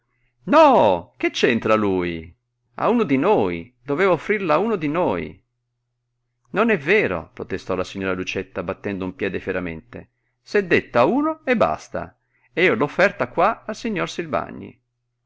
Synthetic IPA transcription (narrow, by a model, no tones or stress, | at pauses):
nɔk̟et͡ʃːɛnt̪ɾaluːj | a̰uːnod̪inoːjid̪ovɛːvaofːɾirlauːnod̪inoːj̰ | nonɛvːeːɾo̰pɾot̪est̪ɔlasiɲːoːɾalut͡ʃɛt̪ːabat̪ːɛnd̪oumpjɛːd̪efeɾamḛnt̪ḛ | sɛd̪ːet̪ːauːnoebːa̰st̪a̰ | ɛːolofːɛrt̪akwaalsiɲːorsilva̰ɲːḭ